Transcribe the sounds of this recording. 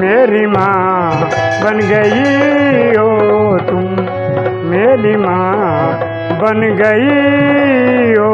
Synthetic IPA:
meːɾimãː | bɐnɡəi | ɦoːt̪ʊ | meːɾimãː | bɐnɡəi | ɦoː

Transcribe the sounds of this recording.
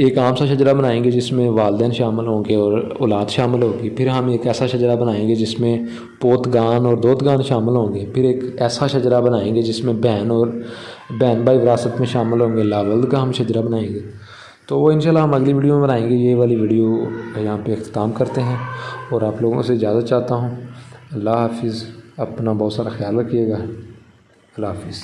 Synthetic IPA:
eːkaːmsaʃ̬ɐd͡ʒɾabɐnaːẽːŋɡed͡ʒɪsmẽʋaːld̪ɛːnʃaːmɪlɦõːɡeɔːɾɔ̰ːlaːd̪ʃaːmɪlɦõːɡipʰɪɾɦɐmeːkɛːsaʃɐd͡ʒɾabɐnaːẽːŋɡed͡ʒɪsmẽ | poːt̪ɡaːnɔːɾd̪oːt̪ɡaːnʃaːmɪlɦõːŋɡeːpʰɪɾeːkɛːsaʃɐd͡ʒɾabɐnaːẽŋɡed͡ʒɪsmẽbɛːnɔːɾbɛːnbaːiʋɪɾaːsət̪mẽʃaːmɪlɦõːŋɡeːlːaːʋɐld̪kaɦɐmʃɐd͡ʒɾabɐnaːẽŋɡeː | t̪oːʋoɪ̃nʃaːlːaɦɐmɐɡliʋiːɖijomẽbɐnaːẽːŋɡejeʋaːliʋiːɖijojɐɦãpeɪxt̪ɪ̥t̪aːmkɐɾt̪eɦɛ̃ːɔːɾaːploːɡõ̰sezjaːd̪at͡ʃaːt̪aɦũːɐlːaɦaːfɪzɐpnabɔːt̪saːɾaxjaːlɐkːijeːɡaːɦ | ɐlːaːɦaːfɪz

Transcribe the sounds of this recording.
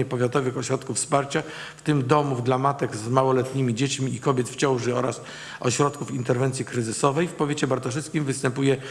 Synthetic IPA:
ɛpɔvʲjat̪ɔvɘxɔɕɾɔt̪kufspaɾt͡ɕa | ft̪ɘmd̪ɔmuvd̪lamat̪ɛɡzmawɔlɛt̪ɲimʲid͡ʑet͡ɕmʲiikɔbʲjɛt̪ft͡ɕɔ̃w̃ʐɘɔɾas | ɔɕɾɔt̪̚kufint̪ɛɾvɛnt̪sʲjikɾɘzɘsɔvɛjfpɔvʲjet͡ɕɛbaɾt̪ɔʂ̬ɘst̪̚kʲimvɘst̪ɛmpujɛ

